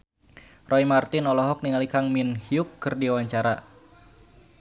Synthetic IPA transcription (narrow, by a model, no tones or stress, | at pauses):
rɔimart̪ɪnɔlɔɦɔk̚niŋalikaŋminhiʊkːɨrdiawaɲt͡ʃaɾa